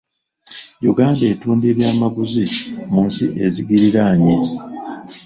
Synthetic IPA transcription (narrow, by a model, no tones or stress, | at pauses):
juɡaːnde̞ːtuːnde̞ːβjaːmaɡuzimuːnsiʔe̞ziɡiɾiɾaːɲi